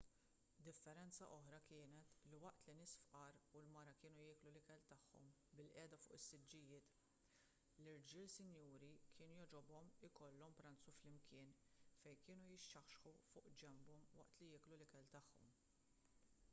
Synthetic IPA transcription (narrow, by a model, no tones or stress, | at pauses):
d̪ɪfːɛɾɛnt͡sɐ̰ʔɔħɾɐkɪːnɛt̪liwɐʔt̪linɪːsfʔɐɾulmɐɾɐkɪːnujɪːklulɪkɛlt̪ɐħːɔ̰m | bɪlʔɛːd̪ɐfʊ̰ːʔɪsːɪd͡ʒːɪjɪːt̪ | lɪɾd͡ʒɪːlsɪnjuːɾikʰɪːnujɔd͡ʒɔbɔmɪkɔlːɔmpɾɐnt͡suflɪmkɪːnfɛjkɪːnujɪʃːɐxʃħufʊːʔd͡ʒɛmbɔmwɐ̰ʔt̪lijɪːklulɪkɛlt̪ɐħːɔ̰m